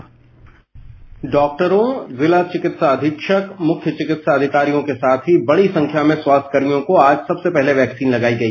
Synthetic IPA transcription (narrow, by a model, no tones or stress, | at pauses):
ɖɔːk̚ʈəɾõzɪlat͡ʃɪkɪt̪saɐd̪ʱɪkʃəkmʊkʰjət͡ʃɪkɪt̪saɐd̪ʱɪkaːɾijõkesaːt̪ʰɦibɐɽisɐ̃ŋkʰjamẽswaːst̪ʰkəɾmijõkoaːd͡ʒsɐbsepɛɦleʋɛːksiːnlɐɡaːiɡɐiː